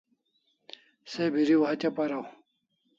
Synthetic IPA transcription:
sebiɾiwɦɐt͡ɕɐpɐɾaw

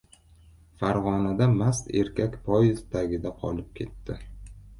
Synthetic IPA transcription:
faɾʁɒnad̪amast̪e̞̰ɾkʲʰakʲpʰɒjɪzt̪ʰaɡʲɪd̪aqʰɒ̰lɪp̚kʲʰe̞t̪ːɪ

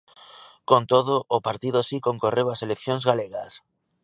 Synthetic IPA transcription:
kont̪oðʊʔːpaɾt̪iðʊsikoŋkorewaselekθjoŋzɣaleɣas

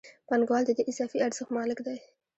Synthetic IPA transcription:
panɡwɑld̪əd̪eʔɪzɑfiaɾz̥əxt̪mɑlɪkd̪aj

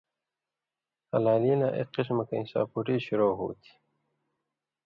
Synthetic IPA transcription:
ɐlaːliːnaʔḛqis̬mɐkɐĩnsa̰ːpuʈiːɕuɾoːɦṵːt̪ʰi̥

